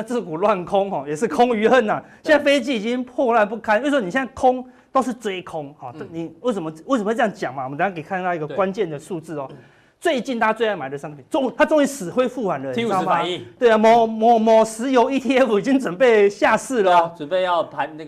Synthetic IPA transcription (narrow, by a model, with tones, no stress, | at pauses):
na˧t͡sɹ̩˥˧˩ku˨˩lwa˥˩nkʰɔ˦ŋhɔ˨˩jɛ˨˩ʂɻ̩˥˧˩kʰʊ˦˥ŋy˧˥ə˥˩na˨jɛ˥˧na˥˩˧fe˥ɪt͡ɕi˥i˨t͡ɕi˦ŋpʰwɔ˥˧lwa˥˧np̬u˥˩kʰa˧˥nwe˥˩wɔ˥ni˨ɕjna˥˩kʰʊ˦ŋ | t̪o˥ʊʂ̬̩˥˧t͡swe˥ɪkʰʊ˦˥ŋhɔ˨˩˦ni˨˩we˥˩ɪsə˨˩m˧we˥˩sə˨˩ə˧˥˧jŋt͡ɕja˨˩ŋma˨˩wə˦t̪a˨˩˧a˥˧ke˨˩ɪkʰa˥˧n˧t̪a˥˧˦i˧ɡə˨kkwa˦nt͡ɕjɛ˥˨nd̪ə˨su˥˧t͡sɹ̩˥˩ɔ˨˩ | t͡swe˥˧ɪt͡ɕi˥˧nt̪ʰa˦t͡swe˥˧ɪa˥˩ma˨˩ɪd̪ə˩ʂa˥ŋpʰi˨˩nt͡so˥ŋ˨˧t̪ʰa˥t͡so˥ŋi˧˥sɹ̩˨˩xwe˥ɪfu˥˩wa˨˥nlə˧˨˥a˨˧˨t̪we˥˩ɪa˨mɔ˨˦mɔ˨˩mɔ˨˩sɹ̩˧˦jo˧˥ʊi˥t̪ʰi˥˧ɛ˦˥fu˨˩i˨˩t͡ɕi˦˥ŋt͡swə˨˩npe˥˧ɪɕja˥˧sɹ̩˥˨lə˨ə˨pe˥˧ɪjɑ˥˨ʊpʰa˨˦na˥˧